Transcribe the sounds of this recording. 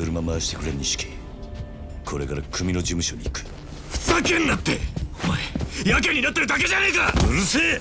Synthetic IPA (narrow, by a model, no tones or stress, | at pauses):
ɯɾɯmamaɕi̥t̪ekɯ̟ɾeɾɯɲʲiɕi̥kʲi̥ | kʰo̞ɾe̞kaɾakʰɯ̟mʲino̞d͡ʑimɯ̟ɕo̞ɲʲiːkɯ̥ | ɸsakẽ̞nːat̪ːe̞̰omaejak̬eɲːinat̪ːeɾɯ̟d̪ak̬e̞ʑanaikaɯse